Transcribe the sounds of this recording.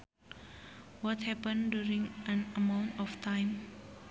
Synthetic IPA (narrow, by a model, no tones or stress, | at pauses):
wɔthɛpə̃ndjuɹĩŋə̃nəmãʊ̃ntɔftʰãɪ̃m